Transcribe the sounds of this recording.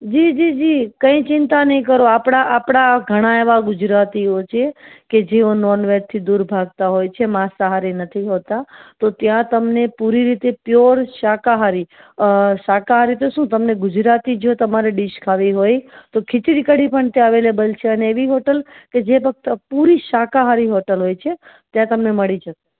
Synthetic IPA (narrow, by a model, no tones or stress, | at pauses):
d͡ʒid͡ʒid͡ʒikə̃ĩt͡ʃɪnt̪anəĩkəɾoapɽ̃aʔapɽ̃aɡʱəɽ̃aeʋaɡʊd͡ʒɾat̪iot͡ʃʰeked͡ʒeonɔɾnʋeɾt̪ʰid̪uɾbʱaɡ̚t̪aɦojt͡ʃʰemãsəɦaɾinət̪ʰiɦot̪at̪ot̪jãt̪əmnepuɾiɾit̪epjoɾʃakaɦaɾi | ʃakaɦaɾit̪oʃũt̪əmneɡʊd͡ʒɾat̪id͡ʒot̪əmaɾeɖiʃkʰaʋiɦojt̪okʰɪt͡ʃɾikəɽipəɳt̪eəʋelebəlt͡ʃʰeəneːʋiɦoʈəlked͡ʒepək̚t̪puɾiʃakaɦaɾiɦoʈəlɦojt͡ʃʰe | t̪jãt̪əmneməɭid͡ʒət̪e